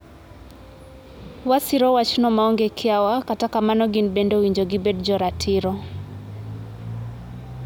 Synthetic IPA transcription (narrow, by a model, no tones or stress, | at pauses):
wasiɾɔwat͡ʃnɔmaɔŋɡekʰɪawakatakamanɔɡinbendowiɲd͡ʒoɡɪbɛdd͡ʒɔɾatʰɪɾɔ